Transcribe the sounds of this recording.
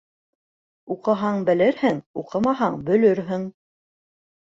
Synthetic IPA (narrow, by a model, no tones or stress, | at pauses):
uqɤ̆ɦɑɴbɘ̆lɘɾhɘŋuqɤmɑɦɑɴbɵ̆lɵɾɦɘŋ